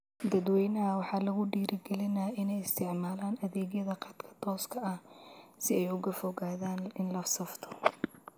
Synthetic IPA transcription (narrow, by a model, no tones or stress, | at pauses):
d̪ɐd̪wɛjnɐɦɐwɑħɑːlɐɣʊɖiːɾɪɡɛlɪnaɪnɛjɪst̪ʰɪʕmaːlaːnɐðɛːɣjɐðɐqɑt̪kʰɐ̥t̪ʰɔːskʰɐɐhsɪɛjʊɣɐfɔɣaːðaːnɪnlɐfsɐft̪ʰɔ̥